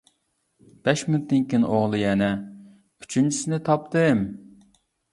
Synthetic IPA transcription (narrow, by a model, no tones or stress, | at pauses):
b̥ɛʃmynt̪ːɪŋkʲinɪ̰ʔoʁlˠɨjɛnɛ | y̥t͡ʃʰynt͡ʃʰi̥sɪnɪt̪ʰɑp̚t̪ɨm